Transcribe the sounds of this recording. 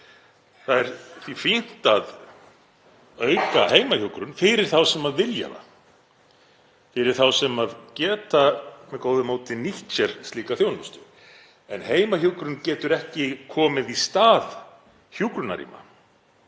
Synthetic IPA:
θaðɛɾθifin̥t̪að | œɥkaheːjmaçukɾʏnfɪɾɪɾ̥θawsɛmaðvɪlja̰ða̰ | fɪɾɪɾ̥θawsɛmaðcɛːt̪amɛðkoːwðʏmoːwt̪ɪniht͡ʃɛɾ̥st̪liːkaθjownʏst̪ʏ | ɛnheːjmaçukɾʏncɛːt̪ʏɾɛhcɪkʰɔːmɪðist̪aːð | çjukɾʏna̰ɾḭːma̰

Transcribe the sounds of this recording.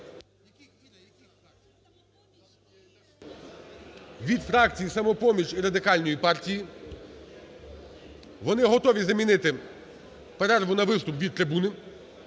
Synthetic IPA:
ʋʲid̪fɾɑkt͡sʲijisɐmɔpɔmʲit͡ʃʲiɾɐd̪ɪkɑlʲnɔjipɑrtʲiji | ʋɔnɪɦɔt̪ɔʋʲizɐmʲinɪt̪ɪ | pɛɾɛrʋʊnɐʋɪst̪ʊpʋʲid̪̚t̪ɾɪbunɪ

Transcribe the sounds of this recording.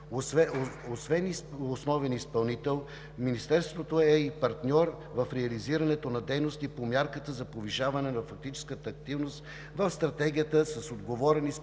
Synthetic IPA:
ɛosvɛnisosnɔvɛnispɐlˠnit̪ɛlˠ | minist̪ɛɾst̪vot̪oɛipɐɾt̪nʲɔɾ | vɐfɾɛɐliziɾɐnɛt̪onɐd̪ɛjnost̪ipomʲjaɾkət̪əzɐpoviʃavɐnɛnɐfɐk̚t̪it͡ʃɛ̥skət̪əːk̚t̪ivnost̪ | vɐfst̪ɾɐt̪ɛɡʲijət̪əsɐsod̪ɡovɔɾɛnis

